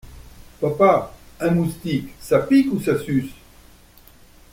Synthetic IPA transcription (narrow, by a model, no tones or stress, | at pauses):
papaɛ̃must̪iksapikusasys